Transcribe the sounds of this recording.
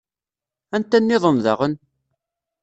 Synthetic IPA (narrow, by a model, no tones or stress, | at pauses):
ænt̪ænːɪðˤəmða̰ʁən